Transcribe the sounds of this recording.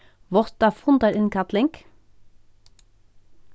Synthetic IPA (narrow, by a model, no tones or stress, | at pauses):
ʋɔt̪ɑfʊnd̪ɑɾɪnkʰɑt̪lɪŋɡ